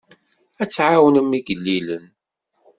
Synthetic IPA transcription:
æt͡sːʕawənəmːiɡəlːilən

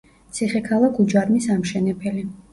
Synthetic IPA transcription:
t̪sʰiχɛkʰalˠakʰud͡ʒaɾmisamʃɛnɛpʰɛli

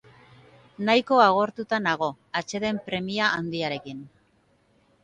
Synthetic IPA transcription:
najko̞aɣ̞o̞ɾt̪ut̪anaɣ̞o̞ | at͡ʃe̞ðe̞mpɾe̞miaʔːnd̪iaɾe̞kin

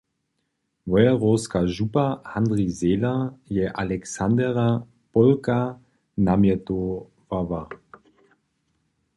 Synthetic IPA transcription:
vɔjaʁɔːskaʒupahand̪ʁizeːlajɛʔalɛksand̪ɛʁa | pɔlka | namjɛto | vava

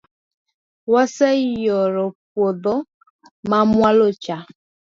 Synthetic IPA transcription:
wasejɔɾɔpoðɔ | mamwalot͡ʃa

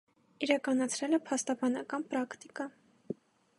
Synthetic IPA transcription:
iɾɑkɑnɑt͡sʰɾɛlɛpʰɑst̪ɑbɑnɑkɑnpɾɑkt̪ikɑ

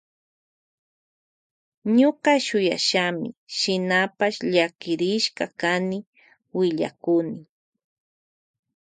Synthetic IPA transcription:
ɲoqɑʃʊja̰ʃamɪ̰ʃɪnapaʃʎakɪɾɪʃkɑkanɪ | wɪʎa̰kʊnɪ

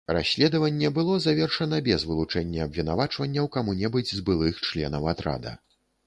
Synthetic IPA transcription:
ra̰sʲlʲɛd̪ɐvɐnʲːɛbɨlˠɔzavʲɛrʂɐnɐbʲɛzvɨlˠut͡ʂɛnʲːɐɐbvʲinavat͡ʂvɐnʲːɐwkamunʲɛbɨd͡zʲzbɨlˠɨxt͡ʂlʲɛ̰nɐwat̪ɾa̰d̪ɐ̰

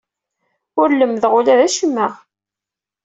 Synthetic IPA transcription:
ʊɾləmðʁʊlæðæʃəmːəʁ

